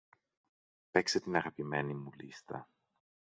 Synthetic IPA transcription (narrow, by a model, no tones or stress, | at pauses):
pe̞kset̪inɐɣɐpime̞nimulḭst̪ɐ̰